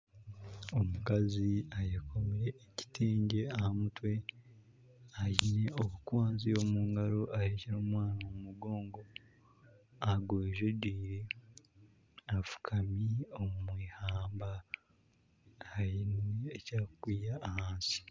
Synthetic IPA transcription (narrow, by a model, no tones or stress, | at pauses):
o̞mukaziajekʰo̞miɾe̞ːci̥teːɲɟe̞ahamutwe̞ | ajine̞oβukwaːnzio̞muŋɡaɾo̞ʔaheceɾoːmwaːnamumuɡo̞ːŋɡo̞ | aɡoeʒoɟiːɾe | afu̥kʰamiomumwiːhaːmba | jinweːcaːkukwiːjaʔːhaːnsi̥